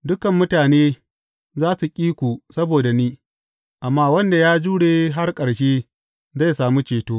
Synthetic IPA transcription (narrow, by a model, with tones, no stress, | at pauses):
dʊ˦kɐ˨mːʊ˦taː˨neː˦ | zaː˦su˨kʲʼiː˦kʷu˨sɐ˦boː˨da˨niː˦ | ʔa˨mːaː˦wɐ˦nda˨jaː˦d͡ʒuː˦ɽeː˨ɦa˦rkʼɐ˨ɽʃeː˦ | za˦˨saː˨mu˦t͡ʃeː˨toː˦